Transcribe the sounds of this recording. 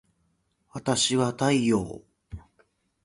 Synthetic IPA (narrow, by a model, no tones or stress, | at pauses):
βat̪aɕiβat̪aijo̰ː